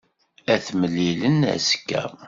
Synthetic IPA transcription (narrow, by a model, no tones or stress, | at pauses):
æθməlːilənæ̰skːæ̰